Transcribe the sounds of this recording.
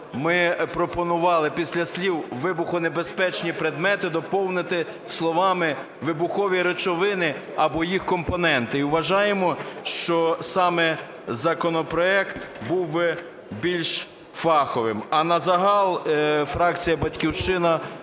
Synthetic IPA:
mɪpɾɔpɔnʊʋɑlˠɪpʲisʲlʲɐsʲlʲiwʋɪbʊxʊnebespɛt͡ʃnʲipɾed̪mɛt̪ɪd̪ɔpɔwnɪt̪ɪ | slˠɔʋɑmɪ | ʋɪbʊxɔʋʲiɾet͡ʃɔʋɪnɪ | ɐbɔjixkɔmpɔnɛnt̪ɪiwʋɐʒɑjemɔʃt͡ʃɔsɑmɛ | zɐkɔnɔpɾɔɛkt̪buwbɪ | bʲilʲʃ | fɑxɔʋɪmɐnɐzɐɦɑlˠfɾɑk̚t͡sʲijɐbɐtʲkʲiwʃt͡ʃɪnɐ

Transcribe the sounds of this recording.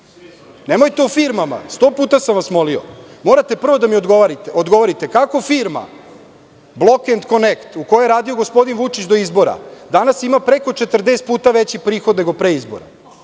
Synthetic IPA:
nemo̞jt̪eufiɾmama̰st̪o̞ːpuːt̪asamʋasmo̞lio̰mo̞ːɾat̪e̞pr̩ʋo̞d̪amiod̪ɡoʋaɾiod̪ɡo̞ʋoɾit̪ekako̞fiːɾma̰ | blˠo̞kend̪ko̞nekt̪ukojeeɾaːd̪io̞ɡo̞spo̞d̪inʋut͡ʂit͡ɕd̪o̞izbo̞ɾa̰d̪anasimapɾe̞ko̞t͡ʂe̞t̪r̩d̪eːst̪̚puːt̪aʋet͡ɕipɾiːxod̪ne̞ɡo̞pɾeizbo̰ɾa̰

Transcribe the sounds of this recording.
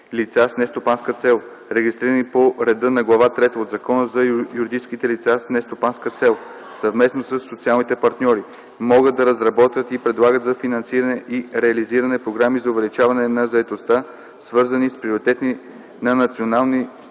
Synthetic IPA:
lit̪sasnɛst̪opanskət̪sɛlˠ | ɾɛɡist̪ɾiɾənipoɾɛd̪ɤnɐɡlˠɐvat̪ɾɛt̪əod̪zɐkɔnəzɐjuɾid̪it͡ʃskit̪ɛlit̪sasnɛst̪opanskət̪sɛlˠ | sɐvmɛsnosəsːot̪sialˠnit̪ɛpɐɾt̪nʲɔɾi | mɔɡət̪d̪̚d̪ɐɾəzɾɐbɔt̪vʲət̪ipɾɛd̪lˠaɡət̪zɐfinɐnsiɾənɛʔiɾɛɐliziɾɐnɛpɾoɡɾamizɐovɛlit͡ʃavɐnɛnɐzɐɛt̪ost̪a | svɤɾzənispɾioɾit̪ɛt̪ni | nɐnɐt̪sionalˠni

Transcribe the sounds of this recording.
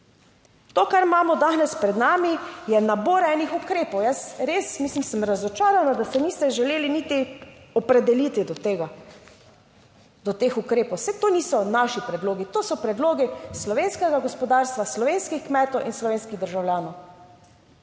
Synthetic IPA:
t̪oːkaɾmaːmɔd̪anɛspɾɛd̪naːmijɛnaboːɾɛːnixukɾeːpɔwjəsɾeːsmislimsəmɾazɔt͡ʃaːɾanad̪asɛniːst̪ɛʒɛleːlinit̪iɔpɾɛd̪ɛlit̪id̪ɔt̪eɡa | d̪ɔt̪exukɾeːpowsɛt̪oːnisɔnaːʃipɾɛd̪loːɡit̪oːsɔpɾɛd̪loːɡislɔʋeːnskɛɡaɡɔspɔd̪aːɾst̪ʋaslɔʋeːnskixkmɛːt̪ɔwʔinslɔʋeːnskid̪əɾʒawlʲjaːnɔw

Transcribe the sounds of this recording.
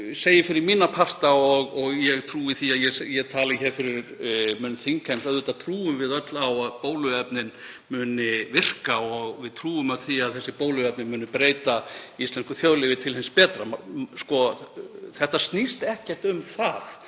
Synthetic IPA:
seːjɪfɪɾɪɾmiːnapʰar̥t̪aɔɣɔɣjɛɣt̪ʰɾuːɪθiaðjɛsjɛt̪ʰaːlɪçɛːɾfɪɾɪɾmʏːnʏθiŋkʰɛnsœððʏːt̪at̪ʰɾuːʏmvɪðœt̪lawaðpoːwlʏɛpnɪn | mʏːnɪvɪr̥kaɔɣvɪðt̪ʰɾuːʏmaθiaðθɛsːɪpoːwlʏɛp̚nɪmʏːnʏpɾeːjt̪aist̪lɛnskʏθjowlɪvɪt̪ʰɪlhɪnspɛːt̪ɾamskɔ | θɛht̪ast̪nist̪ɛhcɛr̥t̪ʏmθaθ

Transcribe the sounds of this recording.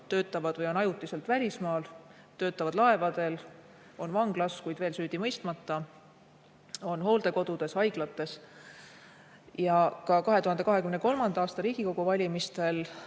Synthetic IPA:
t̪ø̞ːt̪ːˑɑvɑd̪̥vɤjo̞nɑjut̪ːˑise̞lt̪vælʲismɑːl | t̪ø̞ːt̪ːˑɑvɑd̪̥lɑe̞vɑd̪̥e̞l | o̞nvɑŋɡ̥lɑskujd̪veːlsyːd̪̥imɤjst̪mɑt̪ːˑɑ | o̞nɦo̞ːld̪e̞ko̞d̪̥ud̪̥e̞shɑjɡ̥lɑt̪ːˑe̞s | jɑkɑkɑɦeuɦɑnd̪e̞kɑɦe̞kymneko̞lmɑnd̪̥ɑɑːst̪ɑɾiːɡ̥iko̞ɡ̥uvɑlʲimist̪e̞l

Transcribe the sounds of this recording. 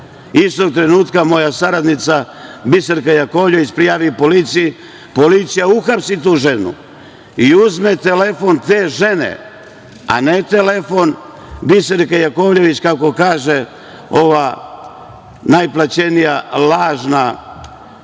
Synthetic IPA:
ist̪o̞ɡ̚t̪ɾe̞nuːt̪kamo̞jasaɾad̪nit̪sa | biseɾkajakoʋʎe̞ʋit͡ɕpɾijaːʋipo̞lit̪siji | po̞lit̪sijauxapsit̪uːʒe̞nṵ | iuzmet̪ele̞fo̞nt̪eːʒe̞nḛ | a̰net̪elefo̞n | biseɾkajako̞ʋʎe̞ʋit͡ɕkako̞kaːʒe | o̞ʋa | najplˠat͡ɕe̞nijalaːʒna

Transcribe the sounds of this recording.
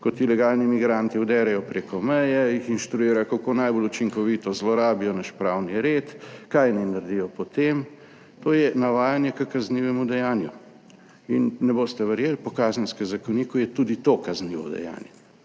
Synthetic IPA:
kɔt̪ilɛɡaːlnimiɡɾant̪iuwd̪ɛːɾɛjɔpɾeːkɔmɛjɛjixinʃt̪ɾuiːɾajɔkakoːnajbolut͡ʃiŋkɔʋiːt̪ɔzlɔɾaːbijɔnaʃpɾaːwniɾet̪kajnɛjnaɾd̪ijɔpɔt̪em | t̪oːjɛnaʋaːjanjɛkəkazniːʋɛmud̪ɛjaːnjṵ | inːɛboːst̪ɛʋɛɾjeːlpɔkaːznɛnskɛmzakɔniːkujɛt̪uːd̪it̪okazniːʋɔ̰d̪ɛ̰ja̰ːnjɛ

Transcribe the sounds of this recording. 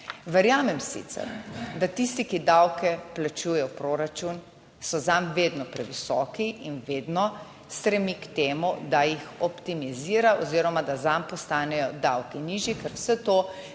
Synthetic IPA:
ʋɛɾjaːmɛmsḭt̪sɛ̰ɾd̪at̪ist̪ikid̪awkɛplat͡ʃuːjɛjɔpɾoːɾat͡ʃun | sɔzamʋeːd̪nɔpɾɛʋisɔkiinʋeːd̪nɔ | st̪ɾɛmikt̪eːmud̪ajixɔpt̪imiziːɾaʔoziːɾɔmad̪azampɔst̪aːnɛjɔd̪awkiniːʒjikɛɾwsɛt̪oː

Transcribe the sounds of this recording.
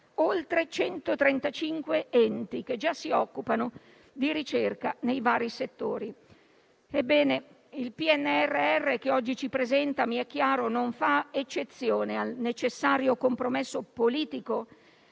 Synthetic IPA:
olt̪ɾet͡ʃɛnt̪ot̪ɾɛnt̪at͡ʃiŋkweɛnt̪ik̟ed͡ʒːasːiɔkːupano | d̪iɾit͡ʃerkanejvaːɾiset̪ːoːɾi | ebːɛːne | ilpiɛnːeɛrːeɛrːek̟eɔd͡ʒːit͡ʃipɾezɛnt̪amiɛk̟ːjaːɾonoɱfaet͡ʃːet̪sːjoːnealnet͡ʃesːaːɾjokompɾomesːopoliːt̪iko

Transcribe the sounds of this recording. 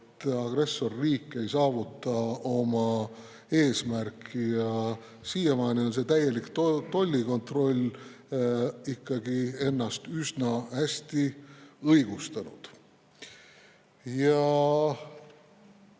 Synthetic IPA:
t̪ːɑɡ̥re̞sːo̞rːiːkːˑe̞jsɑːvut̪ːˑɑo̞mɑ | e̞ːsmærkʰːˑijɑ | sijemɑːnio̞ns̬e̞t̪æje̞lik̪t̪o̞lʲːiko̞nt̪ro̞lʲ | ikːɑɡie̞nːɑst̪ysnɑhæsʲt̪iɤjɡ̥ust̪ɑnud̪̥ | jɑ

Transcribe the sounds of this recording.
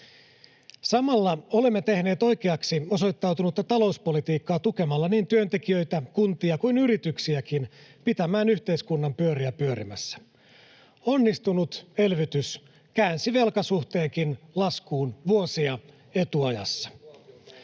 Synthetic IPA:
sɑmɑlːɑo̞lemːet̪e̞hne̞ːt̪o̞jk̟e̞ɑksio̞so̞jt̪ːɑwt̪unut̪ːɑt̪ɑlo̞uspo̞lit̪iːkːɑːt̪uke̞mɑlːɑniːnt̪yø̞nt̪ekijø̞jt̪ækunt̪iɑkuinyɾit̪yksiækinpit̪æmæːnyçt̪e̞iskunːɑmpyøɾiæpyøɾḭmæ̰sːæ̥ | o̞nːist̪unut̪e̞lʋyt̪ys | kæːnsiʋe̞lkɑsuht̪e̞ːŋkinlɑskuːnʋuosiɑ | e̞t̪uɑjɑ̰sːɑ̥

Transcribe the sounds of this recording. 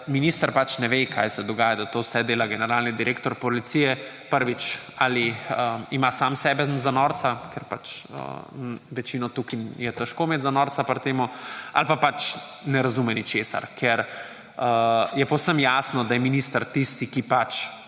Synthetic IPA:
miniːst̪əɾpat͡ʃnɛʋekʰaːjsɛd̪ɔɡaːjad̪at̪owsɛd̪eːlaɡɛnɛɾaːlnid̪iɾʔeːkt̪ɔɾpɔlit̪sijɛ | pəɾʋit͡ʃaːliəimasamsɛbɛzanɔɾt̪sakeɾpat͡ʃə̰ʋɛt͡ʃiːnɔt̪ukijɛt̪ɛʃkomeːt̪zanɔːɾt͡s̪apɾt̪eːmua̰lpapat͡ʃnɛɾazumɛnit͡ʃeːsa̰ɾkʰeɾ | əjɛpowsəmjasnɔd̪ajɛminist̪əɾt̪ist̪ikipat͡ʃ

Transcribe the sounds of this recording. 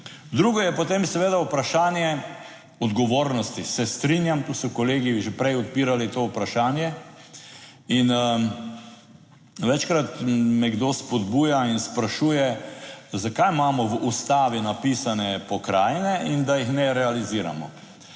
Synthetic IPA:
d̪ɾuːɡɔjɛpɔt̪eːmsɛʋeːd̪aupɾaʃaːnjɛ | ɔd̪ɡɔʋoːɾnɔst̪isɛst̪ɾinjamkɔsɔkɔleːɡiʒepɾɛjɔt̪̚piːɾalit̪oːupɾaʃaːnjɛ | in | ʋɛt͡ʃkɾat̪mɛɡd̪ospɔd̪buːjainspɾaʃuːjɛ | zakajmaːmɔʋʔust̪aːʋinapiːsanɛpɔkɾaːjnɛʔind̪ajixnɛɾɛaliziːɾa̰mɔ̰

